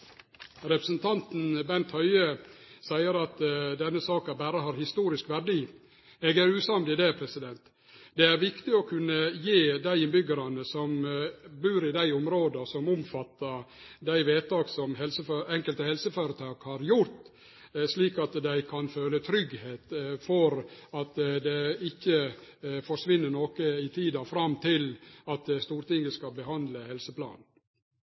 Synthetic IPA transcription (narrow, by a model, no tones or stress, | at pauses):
ɾɛpɾəsənt̪ʰɑnt̪n̩bɛnt̪hœʏəsæɪəɾɑt̪d̪ɛnːəsɑːkɑbæːɾəɦɑːɾhɪst̪uːɾɪskʋæɖiː | ɛɡæɾʉːsɑmd̪ɪd̪epʰɾɛsɪd̪ɛnt̪ | d̪ɛæɾʋɪkt̪ɪɔkʰʉnːəjeːd̪æɪɪnbʏɡəɾɑnəsɔmbʉːɾɪd̪æɪʊmɾoːd̪sɔmʊmfɑt̪ːəɾd̪æɪʋeːt̪ɑːɡsɔmhɛlsəføɛŋkəlt̪əhɛlsəføɾət̪ʰɑːɡhɑɾjʊɾt̪ | ʂliːkɑt̪d̪æɪkʰɑnføːlət̪ʰɾʏɡheːt̪fɔɾɑt̪d̪ɛɪçːəfɔʂʋɪnːəɳoːkəɪt̪ʰiːd̪ɑfɾɑmt̪ʰɪlɑt̪st̪uːɾt̪ɪŋəskɑbəhɑnd̪ləhɛlsəpʰlɑ̰ːn